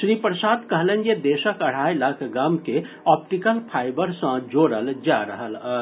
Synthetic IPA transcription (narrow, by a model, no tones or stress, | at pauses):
ʃɾiːpɾəsaːd̪kəɦlẽned̪eːʃəkɐɽ̤aːjlaːkʰɡaːmke | ɔːpʈikəlpʰaːɪbəɾsə̃d͡ʒoːɽəld͡ʒaːɾəɦəl